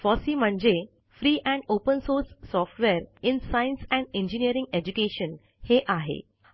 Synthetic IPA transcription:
fɔsiːm̤əɳd͡ʑe | fɾiːʔɛ̃ɳɖopənsoɾsːɔfʈʋeɾɪnsainsɛ̃ɳɖẽɲd͡ʑiniəɾĩŋɡed͡ʑukeʃən | heʔaɦḛ

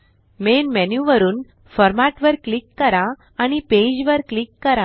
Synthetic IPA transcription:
menmɛnjuʋəɾuːn | fɔɾmaʈʋəɾklikːəɾã | aɽ̃iped͡ʑʋəɾklikːəɾã

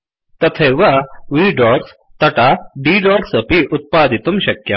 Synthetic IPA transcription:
t̪ɐt̪ʰeʋaʋiːɖɔɾs | t̪ɐʈaɖiːɖɔɡsəpiʔut̪̚paːd̪ʱit̪umɕɐkjɐ

